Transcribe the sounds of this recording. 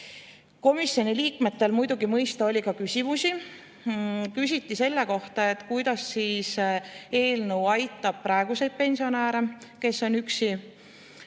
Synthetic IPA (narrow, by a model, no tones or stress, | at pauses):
ko̞misjo̞niliːkme̞t̪ːe̞lmujd̪̥uɡimɤjst̪ɑo̞lʲikɑkysʲimusi | kysʲit̪ːˑise̞lːe̞ko̞ht̪ɑe̞t̪ːˑkujd̪̥ɑsːiːse̞ːlnewɑjt̪ːˑɑb̥̚pːɾɑeɡ̥use̞jd̪̚pe̞nsio̞næːɾeke̞sːo̞nyksi